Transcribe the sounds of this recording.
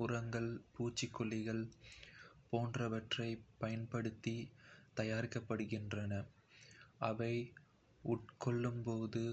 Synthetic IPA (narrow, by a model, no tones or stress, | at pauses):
ʊɾɐŋɡɐɭpuːt͡ʃːɪkːʊɭːɪɣɐɭ | poːndrɐʋɐʈrɐɪpɐjɐnpɐɽɯt̪ːit̪ɐjaːɾɪkːɐpːɐɽɯɣɪndrɐnɐ | ʔɐʋɐɪ | ʊʈ̚kɔɭːɯmpoːðɯ